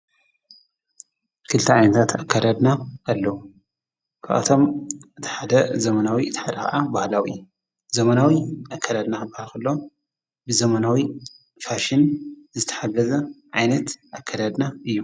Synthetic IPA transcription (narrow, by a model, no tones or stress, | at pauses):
kʰɨlt̪ʰiʕajnɐt̪ʰat̪akʰːad̪ad̪naʔalːɐwu | kʰa̰ʔa̰t̪ʰo̞mɨt̪ʰi̥ħad̪ɐzɐmɐnawiɨt̪ʰħad̪ɐxɐ̰ʔabahlawḭju | zɐmɐnawiʔakʰːad̪ad̪naxɨbahalkɨlːo | bɨzɐmanawi | faʃɪnzɨt̪ʰɐ̥ħaɡɐzɐʕajnɐt̪ʔakʰːad̪ad̪naʔɨjːu